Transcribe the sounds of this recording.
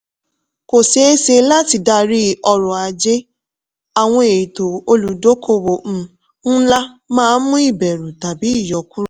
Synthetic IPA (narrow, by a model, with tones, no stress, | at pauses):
ko˨se˨e˦se˧la˦ti˧da˧ɾi˦ɔ˧ɾɔ˨a˨d͡ʒe˦ | a˨w̃ɔ̃˦e˨to˨o˧lu˨do˦kʰo˦˨wo˨ñ̩˦ | n̩˦la˦mãː˦mũ˦i˦˨bɛ˨ɾu˨ta˨bi˨˦i˦˨jɔ˨˦ku˦ɾ